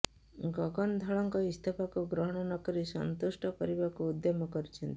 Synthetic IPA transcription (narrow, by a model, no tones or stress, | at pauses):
ɡɔɡɔnd̪ʱɔɭɔŋkɔist̪ʰɔpakuɡɾɔɦɔɽ̃ɔnɔɡɔɾisɔ̰nt̪usʈɔkɔɾibakuːd̪jɔmɔkɔɾit͡ʃʰɔnt̪i̥